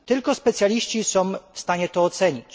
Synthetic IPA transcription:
t̪ɘlkɔspɛt̪sʲjalʲiɕt͡ɕisɔ̃w̃fst̪aɲɛt̪ɔːt̪sɛɲit͡ɕ

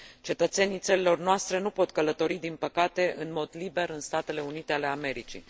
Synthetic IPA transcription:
t͡ʃe̞t̪ət̪se̞nijt̪səlilo̞rnoast̪ɾe̞nupo̞t̪kələt̪o̞ɾid̪inpəkat̪e̞ʔɨnmo̞d̪libe̞ɾɨnst̪at̪e̞le̞unit̪e̞ale̞ame̞ɾit͡ʃḭ

